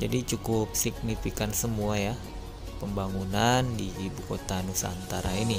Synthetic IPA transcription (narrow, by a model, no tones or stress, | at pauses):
d͡ʒadit͡ʃukʊp̚sik̚nifikansəmuaja | pəmbaŋunandiːbukot̪anusa̰nt̪aɾaini